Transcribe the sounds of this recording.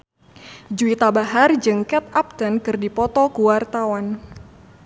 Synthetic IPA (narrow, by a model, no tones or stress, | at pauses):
d͡ʒuit̪abaɦard͡ʒɨŋkɛt̪̚ap̚t̪ankɨrdipɔt̪ɔkuwart̪awan